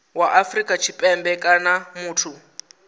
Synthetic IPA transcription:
waʔafrikʼat͡ʃʰipʼɛmbɛkʼanamuːtʰu

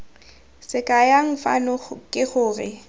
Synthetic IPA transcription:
sɪkʼajaŋ̩fa̰nɔkʼɪχʊːrɪ

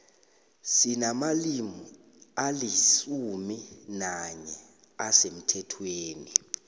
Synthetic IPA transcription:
sinamalimu | alisuminaɲɛ | asem̩tʰɛtʰweːni

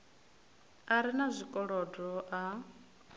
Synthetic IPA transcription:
aɾinazʷikʼɔɺɔdɔʔa

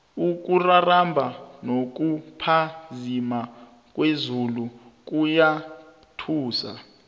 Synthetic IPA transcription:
uk̬ʼurarambʱanok̬ʼupʰazima | k̬ʼwezuluk̬uja | tʰuːsa̰

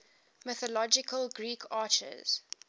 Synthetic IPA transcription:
mɪθɔlɔd͡ʒɪkʰəlɡɹiːkʰɑːt͡ʃə̰z̥

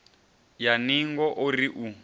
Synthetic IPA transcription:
janiŋɡɔʔoriʔu

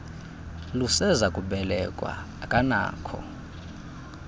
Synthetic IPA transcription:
lusɛzakʼuɓɛlɛkʼwa̰ | kʼana̰ːkʰɔ̰

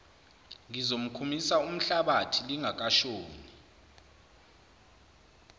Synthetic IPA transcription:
ŋizom̩kʰumisaum̩ɬaɓatʰiliŋʱak̬ʼaʃoːni

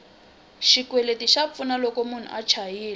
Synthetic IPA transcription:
ʃikwɛletiʃap̪funalɔkomun̤ṵʔat͡ʃʰajiːlɛ

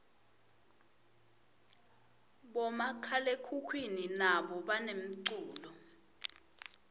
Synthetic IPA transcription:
ɓɔmakʰalekʰukʰwininaɓɔɓanem̩ǀuːlɔ

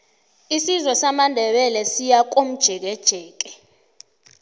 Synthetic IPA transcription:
isizɔsamandʱɛɓɛlɛsijak̬om̩d̥ʒ̥ʱɛk̬ɛd̥ʒ̥ʱɛːk̬ɛ̥

